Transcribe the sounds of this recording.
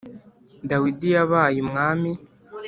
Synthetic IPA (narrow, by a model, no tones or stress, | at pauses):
dawidijaβaːjimŋaːmi